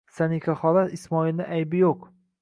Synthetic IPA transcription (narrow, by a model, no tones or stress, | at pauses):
sanɪkʲʰaχɒlaismɒilnɪʔajbɪjoq